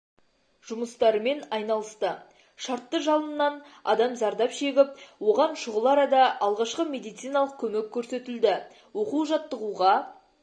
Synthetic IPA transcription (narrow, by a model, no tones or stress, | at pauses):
ʒ̥ʊməst̪ɑɾəme̞nɑjnɑlˠəst̪ə | ʃɑɾt̪ːəʒɑlˠənːɑnɑ̰d̪ɑmzɑɾd̪ɑpʃe̞ɡʲɪp̚wo̞ʁɑnʃʊʁəlˠɑɾɑd̪ɑʔɑlˠʁɑʃqəme̞d̪ijt̪sijnɑlˠəq̚kʲʰɵmekʲʰːɵɾse̞t̪ɪld̪ɪ | wo̞quʒɑt̪ːəʁuʁɑ